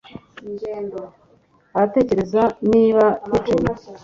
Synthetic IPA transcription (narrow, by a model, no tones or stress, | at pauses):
aɾate̞ce̞ɾe̞zaniːβatit͡ʃoma